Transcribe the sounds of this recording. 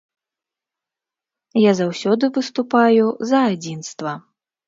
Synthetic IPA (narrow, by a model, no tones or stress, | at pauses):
jazawsʲɔd̪ɨvɨst̪upajuzɐːd͡zʲinst̪vɐ